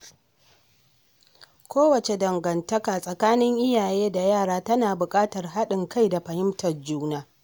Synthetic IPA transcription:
kʷoː˦wɐ˨t͡ʃe˨dɐ˨ŋɡɐ˨ntɐ˦kaː˨sʼɐ˨kaː˦nɪ˦ŋʔɪ˦jaː˨jeː˦da˨jaː˦˨ɽaː˦tɐ˦naː˨bʊ˨kʼaː˦tɐ˨rɦa˦ɗɪ˨ŋka˦˨jda˨ɸɐ˨hɪ˦mtʰɐ˨rd͡ʒuː˦naː˦

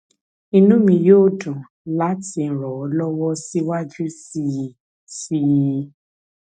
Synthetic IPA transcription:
i˧nũ˦mĩ˧joː˦˨dũ˨ | la˦ti˧ñ̩˨ɾɔ˨ɔ˨˦lɔ˦wɔ˦si˦wa˦d͡ʒu˦si˦i˨ | si˦j

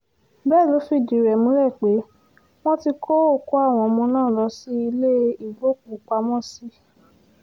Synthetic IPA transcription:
bɛː˦˨lo˨˦fi˧˨d͡ʒi˨ɾɛ˨mũ˨˦ɾɛ˦˨k͡pe˨˦ | w̃ɔ̃˦ti˧kʰo˦o˦˨ko˦a˦˨w̃ɔ̃˧˨˧mɔ̃˧˦nãː˦˨lɔ˨˧˦si˦i˧le˦˧i˦˨bo˨˦˨k̚u˨k͡pa˧mɔ̃˦si˦

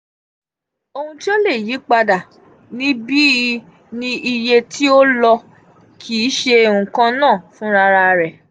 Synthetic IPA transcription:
o˧hũ˧ti˦o˦le˦˨ji˨˦k͡pa˧da˨ | nĩ˨˦bi˦ | nĩ˧ʔi˧je˧tʰi˦o˦lɔ˧ | kʰi˨˦ʃe˧e˧ũ˨kã˦nãː˦˨fũ˦ɾa˧ɾa˧˨ɾɛ˨

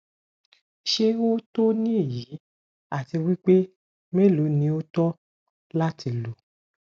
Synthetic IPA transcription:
ʃe˧o˦to˦nĩ˦e˦˨ji˨˦ | a˦˨ti˧wi˦k͡pe˦ | me˦˨lu˨˦nĩ˨˦o˦tɔ˦ | la˦tʰi˨˧˦lu˨˦

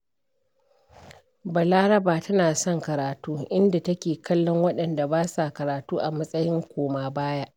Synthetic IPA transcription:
bɐ˨laː˦ɾɐ˦baː˨tɐ˦naː˨sɔ˦˨ŋkɐ˨ɾaː˨tuː˦ʔɪ˦nda˨tɐ˦kʲeː˨kʰɐ˦lːɔ˦ŋwɐ˦ɗɐ˨nda˨baː˦sa˨kɐ˨ɾaː˨tuː˦ʔa˨mɐ˦sʼɐ˦jɪ˦ŋkʷoː˨maː˦baː˦ja˦ʔ

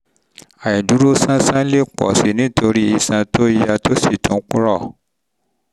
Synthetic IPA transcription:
a˨ji˨du˨˦ɾo˦sã˦sã˦le˦˨k͡pɔ̰˨si˨nĩ˨˦tʰo˧ɾi˦i˧sã˧tʰo˦i˦ja˧to˦si˦˨tũ˨˦k͡pu˦ɾɔ˦˨

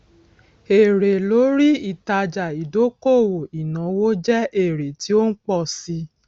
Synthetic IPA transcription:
e˨ɾe˨lo˨˦ɾi˦i˦˨ta˧d͡ʒa˨i˨do˨˦ko˦˨wo˨i˨nã˨˦wo˦d͡ʒɛ˦ʔe˦˨ɾe˨ti˨˦o˦n̩˦k͡pɔ˦˨si˧

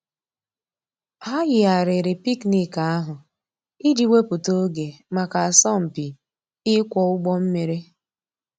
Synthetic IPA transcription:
a˦jɪ˨a˨ɾɪ˨ɾɪ˨pi˦kni˦ka˨a˦ɦʊ˨ | i˦d͡ʒi˨we˦pu˨to˦ɡe˨ma˨ka˨a˨sɔ˦˨m̩˨pi˨ | ɪ˦kʷɔ˨ʊ˦ɡ͡bɔ˦m̩˦me˨ɾe˦

